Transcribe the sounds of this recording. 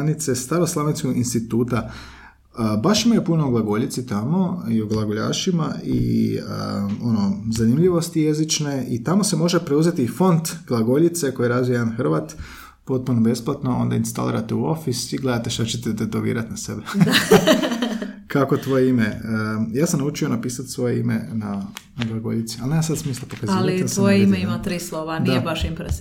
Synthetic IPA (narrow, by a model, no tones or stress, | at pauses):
nit̪sest̪aɾoslˠaʋenskoɡinst̪it̪uːt̪a | baʃimajepunoːɡlˠaɡoʎit̪sit̪amo̞ioɡlˠaɡoʎa̰ːʃima̰ḭə̰o̞no̞zanimʎiʋo̞st̪ijezit͡ʃne̞it̪amo̞se̞mo̞ʒepɾeuze̞t̪ifo̞nt̪ɡ̥lˠaɡo̞ʎit̪se̞kojeɾazʋijajanxr̩ʋat̪ | po̞t̪̚punobe̞splˠat̪no̞o̞̰nd̪ainst̪a̰lḭːɾat̪euo̞fisiɡle̞d̪at̪eʃt̪at͡ɕet̪ed̪et̪oʋḭːɾat̪nase̞bea | kako̞t̪ʋo̞jeimeəjaːsamnaut͡ʃionapiːsat̪sʋo̞jeimḛnanaɡlˠaɡo̞̰ʎit̪si̥alnemasad̪smiːslˠapokazalisojeimeimat̪ɾiːslˠoʋadnabaʃint̪ɾes